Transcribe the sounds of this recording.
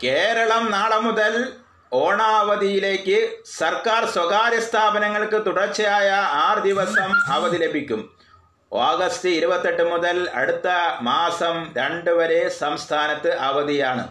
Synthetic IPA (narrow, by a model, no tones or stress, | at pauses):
ke̞ːɾɐɭɐmnaːɭɐmuðɐl | o̞ːɳaːʋɐðijile̞ːkːɨsɐrkaːrswɐɡaːɾjɐst̪ʰaːbɐnɐŋːɐɭkɨt̪uɽɐt͡ɕːɐjaːjɐaːrɨd̪iʋɐsɐmɐʋɐðile̞bʱikʲːum | oːɡɐst̪ɨiɾubɐt̪ːe̞ʈːɨmuðɐlɐ̰ɽut̪ːɐmaːsɐmɾeɳɖɨʋɐɾe̞sɐmst̪ʰaːnɐt̪ːɨʔɐʋɐðijaːɳɨ̰